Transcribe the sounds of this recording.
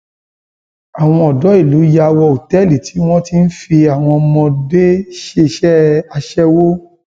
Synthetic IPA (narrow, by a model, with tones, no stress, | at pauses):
a˨w̃ɔ̃˧ɔ˨dɔ˨˦i˦˨lu˨˦ja˧wɔ˧o˨tɛ˦˨li˨ti˨˦w̃ɔ̃˦ti˦n̩˦fi˧a˨w̃ɔ̃˧mɔ̃˧de˦ʃe˧ʃɛ˦a˧ʃɛ˦wo˦